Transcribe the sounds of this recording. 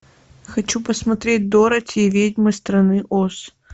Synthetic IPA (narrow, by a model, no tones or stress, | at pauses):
xɐt͡ɕupəsmɐt̪ɾʲet̚ʲd̪oɾətʲevʲedʲmɨst̪ɾɐnɨʔos